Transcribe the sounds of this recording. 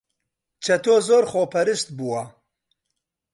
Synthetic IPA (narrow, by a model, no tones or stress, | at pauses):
t͡ʃʰɐt̪ʰoːzoːɾχoːpʰɐɾɨst̪̚buwɐ